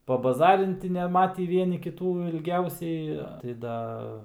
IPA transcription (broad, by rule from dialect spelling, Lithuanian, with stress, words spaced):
pɐbɐˈzɑːrʲɪnʲtʲɪ nʲɛˈmɑːtʲiː ˈʋʲiɛnʲɪ kʲɪˈtuː ɪlʲˈɡʲɛʊsʲɛɪ tɐɪ ˈdɐ